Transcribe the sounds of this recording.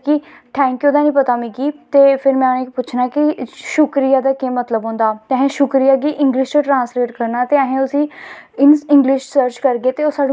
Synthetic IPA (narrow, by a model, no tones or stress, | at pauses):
kɪ | ʈʰɛ̃ːŋkjuːd̪aːnĩːpət̪aːmĩːkiːt̪eːpʰɪɾmɛ̃ːʊnẽːkipʊːt͡ʃʰnaːkɪʃʊkɾijaːd̪aːkẽːmət̪ləbɦõːnd̪aːt̪eəɦẽːʃʊkɾijaːɡiːʔɪ̃ŋɡlɪʃd͡ʒaːʈɾãːnsɾeːʈkəɾnaːt̪eːəɦẽːʊsĩː | ɪnɪ̃ŋɡlɪʃsəɾt͡ʃkəɾɡeːt̪eːoːsaːɖ